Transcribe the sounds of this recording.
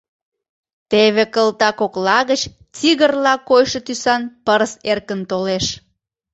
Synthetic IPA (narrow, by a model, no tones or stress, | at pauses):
t̪eβekəlt̪ɑkoklɑɣət͡ɕ | t͡siɣərlɑkojʃə̆t̪ysɑnpəɾserkənt̪oleʃ